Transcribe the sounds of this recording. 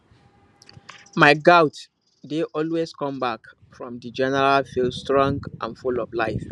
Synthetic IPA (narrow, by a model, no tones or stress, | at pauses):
maɪɡaʊt | deʔɔlweskɔ̃mbak | fɹɔ̃mdəd͡ʒɛnɛɹalfilstɹɔ̃ŋɡʔã̰nfulɔvlaɪf